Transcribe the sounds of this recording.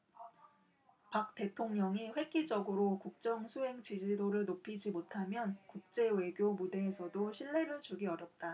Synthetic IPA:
pak̚t͈e̞tʰoŋɲʌŋiɸwe̞k̚ɡ͈id͡ʑʌɡɯɾokuk̚t͡ɕ͈ʌŋsʰuɦe̞ŋt͡ɕid͡ʑidoɾɯɭnopʰid͡ʑimotʰamjʌnkuk̚t͡ɕ͈e̞we̞ɡjomude̞ːsʰʌdoɕʰiɭːe̞ɾɯɭt͡ɕuɡiʌɾjʌp̚t͈a

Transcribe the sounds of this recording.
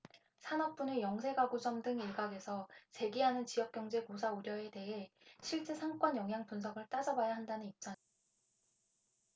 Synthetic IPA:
sʰanʌp͈unejʌŋs̬ʰe̞ɡaɡod͡ʑʌmdɯŋiɭɡaɡe̞sʰʌt͡ɕe̞ɡiɦanɯnt͡ɕijʌk̚k͈jʌŋd͡ʑe̞kosʰauɾjʌe̞te̞ɦe̞ɕʰiɭt͡ɕ͈e̞sʰaŋk͈wʌnjʌŋjaŋpuns̬ʰʌɡɯɭt͈ad͡ʑʌbajaɦandanɯnip̚t͡ɕ͈a

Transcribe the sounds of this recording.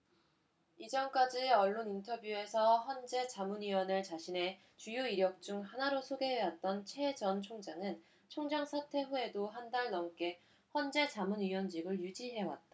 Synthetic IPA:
id͡ʑʌnk͈ad͡ʑiʌɭːonintʰʌbjue̞sʰʌɦʌnd͡ʑe̞t͡ɕamunɥiwʌnɯɭt͡ɕaɕʰine̞ | t͡ɕujoiɾjʌk̚t͡ɕ͈uŋɦanaɾosʰoɡe̞ɦewat̚t͈ʌnt͡ɕʰe̞d͡ʑʌnt͡ɕʰoŋd͡ʑaŋɯn | t͡ɕʰoŋd͡ʑaŋsʰatʰe̞ɸue̞doɦandaɭnʌŋk͈e̞ | ɸwʌnd͡ʑe̞t͡ɕamunɥiwʌnd͡ʑiɡɯɭjud͡ʑiɦe̞wa̰t̚t͈a

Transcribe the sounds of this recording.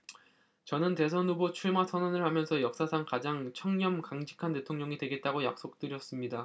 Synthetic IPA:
t͡ɕʌnɯnte̞sʰʌnubot͡ɕʰuɭmasʰʌnʌnɯɭhamjʌnsʰʌjʌk̚s͈asʰaŋkad͡ʑaŋt͡ɕʰʌŋɲʌmkaŋd͡ʑi̥kʰante̞tʰoŋɲʌŋidwe̞ɡe̞t̚t͈aɡojak̚s͈ok̚t͈ɯɾjʌs͈ɯmɲida

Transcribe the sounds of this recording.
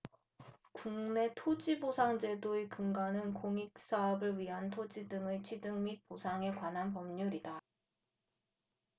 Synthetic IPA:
kuŋne̞tʰod͡ʑibosʰaŋd͡ʑe̞doekɯŋɡanɯnkoŋik̚s͈aʌbɯɭɥiɦantʰod͡ʑidɯŋet͡ɕʰɥidɯŋmit̚posʰaŋe̞kwanɦanpʌmɲuɾida

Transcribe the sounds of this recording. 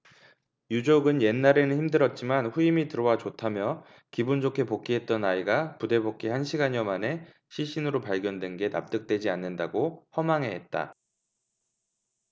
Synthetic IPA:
jud͡ʑoɡɯnje̞nːaɾe̞nɯnçimdɯɾʌt̚t͡ɕ͈imanɸuimitɯɾʌwat͡ɕotʰamjʌ | kibund͡ʑokʰe̞pok͈ʰiɦe̞t̚t͈ʌnaiɡapude̞bok͈ʰihanɕʰiɡaɲʌmane̞ | ɕʰiɭɕ͈inɯɾopaɭɡjʌndwe̞nɡe̞na̰p̚t͈ɯk̚t͈we̞d͡ʑianːɯndaɡohʌmaŋɦe̞ɦet̚t͈a̰

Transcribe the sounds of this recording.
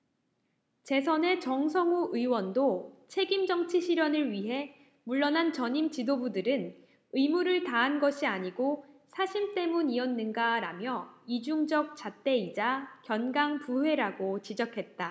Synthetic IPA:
t͡ɕe̞sʰʌne̞t͡ɕʌŋs̬ʰʌŋuʔɯiwʌndot͡ɕʰe̞ɡimd͡ʑʌŋt͡ɕʰiɕʰiɾjʌnɯɭɥiɦe̞ | muɭːʌnant͡ɕʌɲimt͡ɕidobudɯɾɯn | ɯimuɾɯɭtaɦanɡʌɕʰiaɲiɡosʰaɕʰimt͈e̞muniʌnːɯnɡaɾamjʌid͡ʑuŋd͡ʑʌk̚t͡ɕ͈at͈e̞id͡ʑakjʌnɡaŋpuɦwe̞ɾaɡot͡ɕid͡ʑʌkʰe̞t̚t͈a

